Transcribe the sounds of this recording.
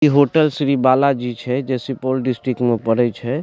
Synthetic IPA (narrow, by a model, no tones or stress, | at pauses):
iɦoʈəlsɾibalad͡ʒit͡ʃʰɛd͡ʒɛsipolɖisʈɾikmepəɽɛt͡ʃʰɛ